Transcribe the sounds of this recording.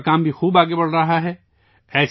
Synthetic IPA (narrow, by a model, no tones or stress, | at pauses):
kaːmbʱixuːbaːɡebɐɽ̤ɾɐɦaɦɛː | ɛːs